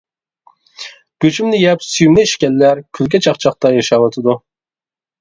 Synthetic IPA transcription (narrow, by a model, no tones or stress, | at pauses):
ɡ̥ʲøt͡ʃʰymnɪjɛpsyjymnɪiʃkʲɛlːæɾkʲʰylɡʲɛt͡ʃʰɑχt͡ʃʰɑχ̚t̪ɑjɑʃɑːwɑt̪ʰɨd̪u